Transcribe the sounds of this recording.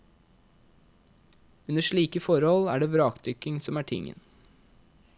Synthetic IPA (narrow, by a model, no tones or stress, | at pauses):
ʉnəʃɭiːkəfɔɾhɔlæ̰ːɖeːʋɾɑːkd̪ʰʏkɪŋsɔmæːʈʰɪ̰ŋə̰n